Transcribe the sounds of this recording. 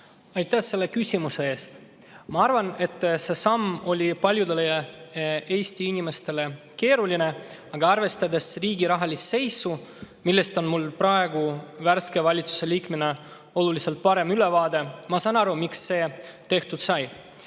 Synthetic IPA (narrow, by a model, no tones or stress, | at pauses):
ɑjt̪ːæhse̞lːe̞kysʲimuse̞e̞ːst̪ | mɑɑrvɑne̞t̪ːse̞sɑmːo̞lʲipɑlʲjud̪e̞lej | e̞ːsʲt̪iinime̞st̪e̞le̞ | ke̞ːɾulʲine̞ | ɑɡ̥ɑɑrve̞st̪ɑd̪e̞sriːɡiɾɑɦɑlʲisse̞jsu | milːe̞st̪o̞nmulpɾɑe̞ɡuværske̞vɑlʲit̪su̥se̞liːkmene | o̞lulise̞lt̪̚pɑɾe̞myle̞vɑːd̪e̞mɑsɑnɑɾumiksːe̞ːt̪e̞ht̪ut̪sɑj